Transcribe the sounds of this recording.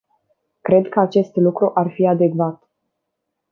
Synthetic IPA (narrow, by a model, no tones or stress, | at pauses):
kɾe̞d̪kəat͡ʃe̞st̪lukɾuʔarfiad̪e̞ɡvat̪